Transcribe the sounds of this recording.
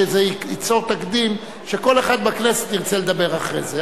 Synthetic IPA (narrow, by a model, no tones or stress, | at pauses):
ezeiit͡so̞ʁt̪akd̪im | ʃeko̞le̞χad̪bakneset̪iʁt͡seled̪abe̞ʁaχʁḛze